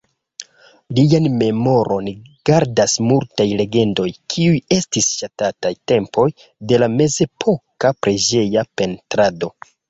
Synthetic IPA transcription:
lijanme̞mo̞ɾʔo̞nɡ̥aɾdasmultajle̞ɡe̞ndo̞jkʰiuje̞stisʃatatajte̞mpo̞j | de̞lame̞ze̞pʰo̞kapɾed͡ʒe̞jape̞ntɾado̞

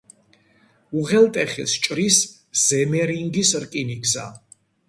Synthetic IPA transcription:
uʁɛlt̪ʼɛχɛst͡ʃʼɾis | z̥ɛmɛɾiŋɡisɾkʼiniɡza̰

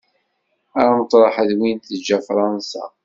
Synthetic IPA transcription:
æɾmət̪ˤɾˤɑħəðwint̪əd͡ʒːæfɾˤɑnsa̰

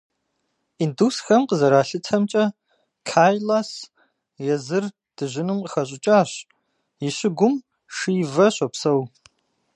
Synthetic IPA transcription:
induːsxɐmqəzɐɾaːɬɨtʰɐmt͡ʃʼɐ | kʰaːjlaːs | jɛzɨr | d̥ɨʑɪnɨmqəxɐɕ̬ʷʼɪt͡ʃʼaːɕ | jiɕɪɡʷʊm | ʂiːvɐɕʷɐpsɐw

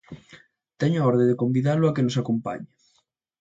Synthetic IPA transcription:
t̪ɛɲʊaɔɾðẽd̪ekombiðalʊakenosakompa̰ɲɪ

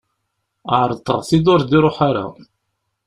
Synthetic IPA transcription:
əʕɾˤət̪ˤːəʁθid̪ʊɾd̪iɾˤoħaɾa̰

